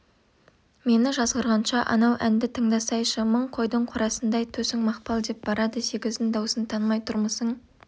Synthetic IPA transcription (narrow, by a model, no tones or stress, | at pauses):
me̞nɪʒɑzʁəɾʁɑnʃɑʔɑ̰nɑwʔænd̪ɪt̪ʰəɴd̪ɑsɑjʃəməɴqʰo̞jd̪əɴqʰʊɾɑsənd̪ɑjt̪ʰɵsɪŋmɑqpɑlˠd̪e̞p̚b̥ɑɾɑd̪əse̞ɡʲɪzd̪ɪnd̪ɑwsənt̪ʰɑnmɑjt̪ʰʊɾməsəɴ